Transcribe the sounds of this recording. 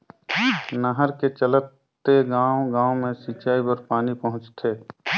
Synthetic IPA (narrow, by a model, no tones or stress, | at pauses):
nəɦəɾket͡ʃələt̪ː | eɡãːʊɡãːmẽsiːt͡ʃaːipəɾpaːnipɐɦʊ̃t͡ʃt̪ʰeː